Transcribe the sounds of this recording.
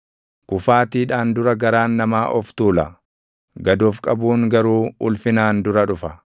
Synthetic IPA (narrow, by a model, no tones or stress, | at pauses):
kʊfaːt̪iːᶑaːnd̪ʊɾɐɡɐɾaːnːɐmaːʔɔft̪uːlɐ | ɡɐd̪ɔːfkʼɐbuːŋɡɐɾuːʊ̰lfɪnaːnd̪ʊɾɐᶑʊfɐ